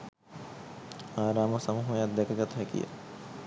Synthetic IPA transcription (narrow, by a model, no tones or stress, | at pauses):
aːɾaːməsɐmuːɦuɐjat̪̚d̪ɛkɐɡɐt̪ɦɛkḭja̰